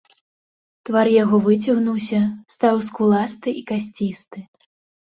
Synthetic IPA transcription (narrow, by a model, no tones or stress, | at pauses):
t̪vaɾjaɣɔvɨt͡sʲɐɣnuws̬ʲɐst̪aws̬kulˠast̪ɨʔikasʲt͡sʲist̪ɨ